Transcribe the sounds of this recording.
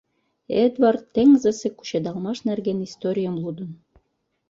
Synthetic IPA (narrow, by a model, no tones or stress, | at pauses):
ed̪vɑrt̪ːeŋzɘ̆sĕku̥ɕed̪ɑlmɑʃnærɡenist̪oɾʲijə̆mlˠud̪ə̆n